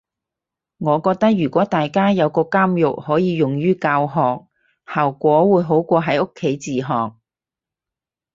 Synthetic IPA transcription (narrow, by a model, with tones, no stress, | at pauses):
ŋɔː˨˧kɔː˧k̚t̪ɐ˥k̚jɥyː˨˩kʷɔː˨˥t̪aː˨jkaː˥jɐ˨˧wkɔː˧kaː˥mjʊ˨k̚hɔː˨˥jiː˨˧jʊ˨˩ŋjyː˥kaː˧wɦɔː˨k̚ | haː˨˩wkʷɔː˨˥wuː˨˧˥jɦo˨˥wkʷɔː˧ɦɐ˨˥jʊ˥kʰːe˨˥jt͡siː˨˩ɦɔː˨k̚